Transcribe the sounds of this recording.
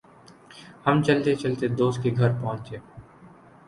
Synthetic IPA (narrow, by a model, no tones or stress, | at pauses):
hɐmt͡ʃɐlt̪et͡ʃɐlt̪ed̪oːst̪̚keɡʱɐɾpɐɦʊ̃nt͡ʃeː